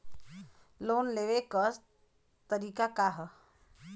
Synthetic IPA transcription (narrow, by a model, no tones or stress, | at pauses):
loːnleʋekəɾ | t̪əɾiːkakaɦə